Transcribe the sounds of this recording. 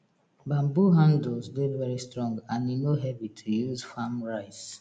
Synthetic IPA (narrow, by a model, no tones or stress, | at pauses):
bãmbuɦãndlsdedvɛɹistɹɔ̃ŋɡãninoɦɛvitʰujuzfamɹaɪs